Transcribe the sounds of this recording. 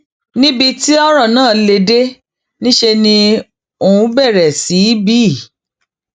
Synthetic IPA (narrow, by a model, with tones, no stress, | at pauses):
nĩ˦bi˧ti˦ɔ˦ɾɔ˦˨nãː˦˨le˧de˦ | nĩ˦ʃe˧nĩ˧ | o˨wũ˨˧˦bɛ˦˨ɾɛ˨si˨˦biː˦˨